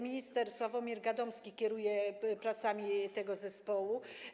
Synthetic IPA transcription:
mʲiɲist̪ɛɾswavɔmʲiɾɡad̪ɔmskʲikʲɛɾujɛpɾat̪samʲit̪ɛɡɔzɛspɔwu

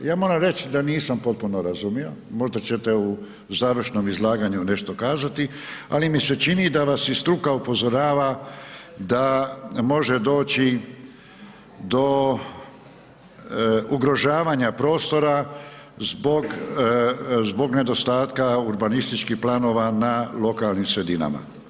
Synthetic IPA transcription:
jaːmo̞ɾamɾe̞t͡ʃid̪aniːsampo̞t̪̚puno̞ɾazumio̞mo̞ʒd̪at͡ɕe̞t̪eu | zaːʋɾr̩ʃno̞mizlˠaːɡaɲune̞ʃt̪o̞kaːzat̪i | a̰limiset͡ʃinid̪aʋasist̪ɾukaupo̞zo̞ɾaːʋa | d̪amo̞ʒe̞d̪o̞ːt͡ɕi | d̪o̞ | uɡɾo̞ʒaːʋaɲapɾo̞ːst̪o̞ɾa | zboɡ | zbo̞ɡne̞d̪o̞st̪aːt̪kauɾbanist̪it͡ʃkixplano̞ʋanalo̞kalˠnimsɾe̞d̪ina̰ma̰

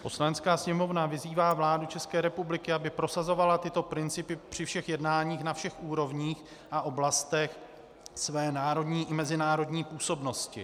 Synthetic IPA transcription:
po̞slanɛt͡skaːsɲɛmo̞vnavɪziːvaːvlaːdut͡ʃɛskɛːɾɛpublɪkɪabɪpɾo̞sazo̞valat̪ɪt̪o̞pɾɪnt͡sɪpɪpr̝̥ɪfʃɛxjɛdnaːɲiːxnafʃɛxʔuːɾo̞vɲiːx | ʔaʔo̞blast̪ɛx | svɛːnaːɾo̞dɲiːʔɪmɛzɪnaːɾo̞dɲiːpuːso̞bno̞scɪ̰

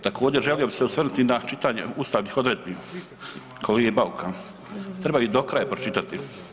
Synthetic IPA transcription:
t̪akʰoːd͡ʑeɾʒe̞lijo̞biseusʋr̩nut̪inat͡ʃit̪aɲḛuːst̪aːʋniːxo̞d̪ɾeːd̪̚biː | kʰoleɡebaukʰan | t̪ɾebaid̪okɾaːjepɾot͡ʃit̪at̪i

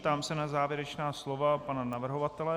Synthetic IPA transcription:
t̪aːmsɛnazaːvjɛɾɛt͡ʃnaːslovapananavr̩ɦovat̪ɛlɛ

